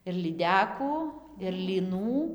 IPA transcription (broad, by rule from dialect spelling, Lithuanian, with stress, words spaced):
ɪr lʲiːˈdʲæːkuː ɪr lʲiːˈnuː